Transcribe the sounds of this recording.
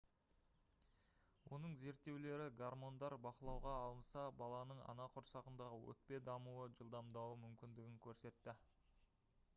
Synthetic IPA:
wʔo̞nəɴze̞ɾt̪ːe̞wle̞ɾɪɡarmo̞nd̪ɑɾbɑqəlˠɑwʁɑːlˠənsɑbɑlˠɑnəɴɑ̰nɑqʰʊɾsɑʁənd̪ɑʁəwɵ̰k̚pe̞d̪ɑmuəʒəlˠd̪ɑmd̪ɑwəmʏmkʲɪnd̪ɪɡʲɪŋkʲʰɵɾse̞t̪ːɪ

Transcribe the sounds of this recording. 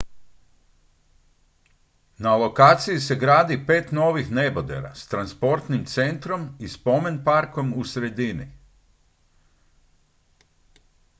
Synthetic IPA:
nalo̞kaːt̪sijise̞ɡɾaːd̪ipe̞ːt̪no̞ːʋixne̞bod̪ḛɾa̰st̪ɾanspo̞ɾt̪nimt̪se̞nt̪ɾo̞mispo̞me̞npaɾkomusɾe̞d̪inḭ

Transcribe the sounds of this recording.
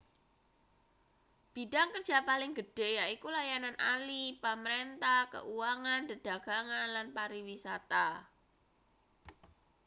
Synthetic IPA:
b̥idaŋkərdd͡ʒʒ̥apalɪŋɡəɖ̥e̤jaikulajananʔalipəməɾent̪ahkə̰ʔuwaŋandəd̥a̤ɡ̥aŋanlanpaɾiwisat̪a

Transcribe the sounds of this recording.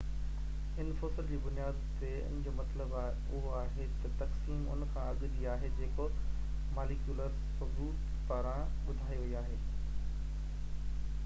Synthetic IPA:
ɪnfosɪld͡ʑiːbʊnijaːd̪t̪eʊ̰nɪ̃d͡ʑoːmɐt̪ləb | ʊɦoaːɦet̪ɐt̪ɐksiːmʊ̰nkʰãɐɠd͡ʑiaːɦed͡ʑeːko | maːlɪkjuːləɾssɐbuːt̪ | paːɾãɓʊd̪ʱaːiʋɐiaːɦeː

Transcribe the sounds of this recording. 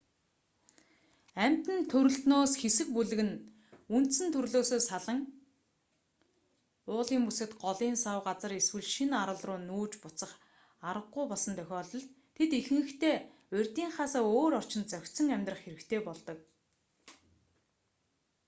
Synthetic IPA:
æm̥ʲt̪ɘ̆nt̪ʰɵɾɵ̆ɬt̪noːsxesɘ̆k̚puɮɘ̆ɣɘ̆n | un̥t̪sɘ̆nt̪ʰɵɾɮoːsoːsaɮə̆ŋ | ʊːɮiːŋpusɘ̆t̪ɢɔɮiːnsawɢat͡sə̆reswɘ̆ɮʃinaɾə̆ɮrʊːnuːt͡ɕpʊ̥t͡sə̆χ | aɾə̆qːʊjpɔɮsɞ̆nt̪ʰœxʲɔːɮɞ̆ɮt̪ʰːet̪ixɘ̆ŋɡɘ̆kt̪ʰeː | ʊrʲt̪iːŋχaːsaːoːɾɔr̥t͡ɕɪ̆nt͡sœxʲt̪sə̆ŋæmʲt̪rə̆χxeɾɘ̆kt̪ʰeːpɔɮt̪ɞ̆k̚

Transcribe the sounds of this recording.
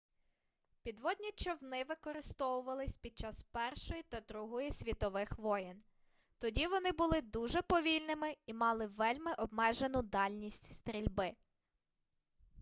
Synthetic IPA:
pʲid̪ʋɔdʲnʲit͡ʃɔwnɪʋɪkɔɾɪst̪ɔwʊʋɐlˠɪsʲpʲid̪̚t͡ʃɑspɛrʃɔjit̪ɐd̪ɾuɦɔjisʲʋʲit̪ɔʋɪxʋɔjɛn | t̪ɔdʲiʋɔnɪbʊlˠɪd̪uʒɛpɔʋʲilʲnɪmɪimɑlˠɪʋɛlʲmɪʔɔbmɛʒenʊd̪ɑlʲnʲisʲtʲst̪ɾʲilʲbɪ

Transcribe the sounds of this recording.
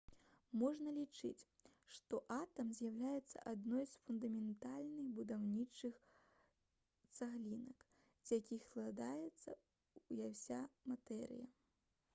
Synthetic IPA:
mɔʐnɐlʲit͡ʂɨ̰t͡sʲʂt̪ɔʔat̪ɐmzʲjawlʲajɛt̪sːɐ̰ʔad̪nɔjsfund̪ɐmʲɛnt̪alʲnɨxbud̪awnʲit͡ʂɨx | t̪saɣlʲinɐk | d͡zʲjakʲixsklˠad̪ajɛt̪sːɐ | ujawsʲamat̪ɛɾɨ̰jɐ

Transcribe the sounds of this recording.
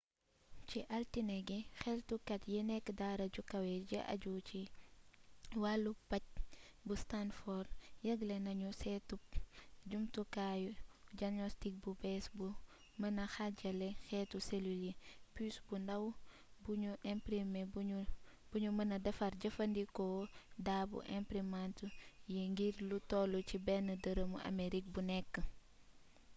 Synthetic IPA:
t͡ʃiʔɐltinɛɡɛxɛltukɐtjinɛkːdaːɾɐɟukɐwɛɟiʔɐ̰ɟuːt͡ʃi | walːupɐc̚bustanfɔrjɐɡlɛnɐɲusɛtupɟumtukajuɟaɡnɔstik̚bubɛsbu | mɐnɐxaɟɐlɛxɛːtuselulipysbundɐw | buɲuʔɛmpɾime | buɲumɐnɐdɐfɐrɟɐfɐndikɔdaːbṵʔɛmpɾimantujiŋɡiɾlutɔlucibɛnːədəɾəmṵɐ̰meɾik̚bunɛkːə

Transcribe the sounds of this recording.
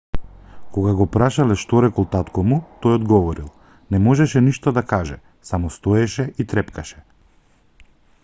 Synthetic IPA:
kɔɡaɡɔpɾaʃalɛʃt̪ɔɾɛkɔlˠt̪at̪kɔmut̪ɔjɔd̪ɡɔvɔɾilˠ | nɛmɔʒɛʃɛniʃt̪ɔd̪akaʒɛ | samɔst̪ɔɛʃɛit̪ɾɛpkaʃɛ̥

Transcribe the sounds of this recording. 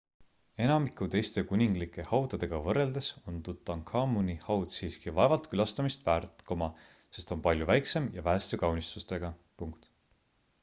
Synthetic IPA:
e̞nɑmikˑut̪e̞jst̪e̞kunʲiŋɡ̥likːˑe̞hɑwd̪ɑd̪e̞ɡ̥ɑvɤre̞ld̪̥e̞so̞nt̪ut̪ːˑɑŋkʰɑːmunihɑwd̪siːskivɑevɑlt̪kylɑst̪ɑmist̪væːɾt̪komɑ | se̞st̪o̞npɑlʲjuvæjkse̞mjɑvæːst̪ekɑwnist̪ust̪e̞ɡ̥ɑpuŋkt̪

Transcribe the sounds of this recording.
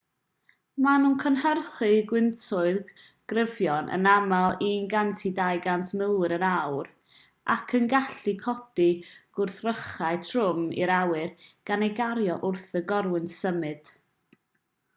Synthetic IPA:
manunkʰənhərχɨɡwɪntʰʊɨðɡ̥rəvjɔnʔə̰namalˠinɡantʰidajɡantʰmɪlɾənawr | ʔa̰kʰənɡaɬikʰɔd̥iɡ̥ʊrθrəχaɨtʰrʊmḭɾawɨrɡ̥anejɡaɾjɔʔʊrθəɡɔrwɨntsəmɨd̥

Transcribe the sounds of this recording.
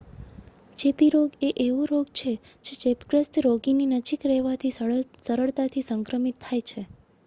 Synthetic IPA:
t͡ʃepiɾoɡeʔeʋũɾoɡt͡ʃʰe | d͡ʒed͡ʒepɡɾəst̪ɾoɡininəd͡ʒikɾɛɦʋat̪ʰissəɾəɭt̪at̪ʰisəŋkɾəmit̪ʰːajt͡ʃʰe

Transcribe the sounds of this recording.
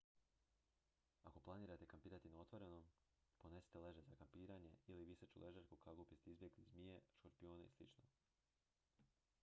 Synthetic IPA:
ako̞plˠaniːɾat̪e̞kampiːɾat̪inao̞t̪ʋo̞ɾe̞no̞m | po̞ne̞si̥t̪e̞le̞ʒe̞zakampiːɾaɲe̞̰iliʋisat͡ʃṵlʔe̞ʒaɾkukʰaɡupist̪izbʲjeɡlizmijeʃkoɾpio̞ːneḭslḭt͡ʃno̰

